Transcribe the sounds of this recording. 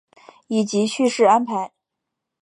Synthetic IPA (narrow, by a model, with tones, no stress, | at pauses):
i˨˩t͡ɕi˧˥ɕy˥˧ʂɻ̩˥˩a˥npʰa˧˥ɪ